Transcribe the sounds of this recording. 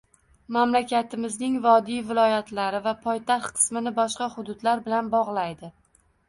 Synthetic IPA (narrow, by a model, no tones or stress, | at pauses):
mamlakʲat̪ʰɪmɪznɪŋvɒd̪ijvɪlˠɒjat̪ʰlaɾɪvapʰɒjt̪ʰaχt̪̚qʰɨ̥smɪnɪbɒʃqɑhʊd̪ʊd̪laɾbɪlanbɒʁlˠajd̪ɪ